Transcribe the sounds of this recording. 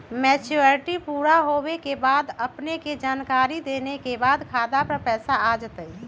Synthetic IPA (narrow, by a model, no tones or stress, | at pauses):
mɛːt͡ʃuɾʈipuːɾaɦoːwekebaːd̪əpneked͡ʒaːnkaːɾid̪eːnekebaːd̪kʰaːd̪apəɾpɛːsaad͡ʒət̪əi